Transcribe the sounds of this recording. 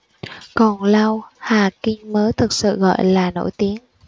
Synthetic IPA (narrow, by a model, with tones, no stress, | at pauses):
kɔ˨˩nla˧whaː˨˩kï˧ŋ̟məː˨˦jt̪ʰɨ˨˩k̚sɨ̰˧˨ɣɔ̰˧˨jlaː˨˩no̰˧˥˩jt̪i˨˦ən